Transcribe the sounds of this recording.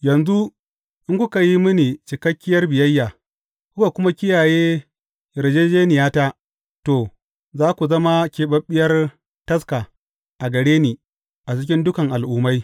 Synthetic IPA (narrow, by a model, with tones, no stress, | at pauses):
jɐ˨nzu˦ | ʔɪ˦ŋkʷʊ˦ka˨ji˦mʊ˦ni˨t͡ʃɪ˨kɐ˦kʲːɪ˦jɐ˦rbɪ˨jɐ˦jːaː˨ | kʊ˦ka˨kʷʊ˦ma˦kʲɪ˦jaː˨jeː˦ | ɾe˨d͡ʒeː˦d͡ʒeː˦nɪ˨jaː˦ta˦ʔ | to˨ | zaː˦kʷu˨zɐ˦ma˦kʲeː˨ɓɐ˦ɓːɪ˦jɐ˦r | tɐ˦ska˨ | ʔa˨ɡɐ˨ɽeː˦niː˨ | ʔa˨t͡ʃɪ˦kʲɪ˦ndʊ˦kɐ˨ŋʔa˨lʔuː˦ma˦j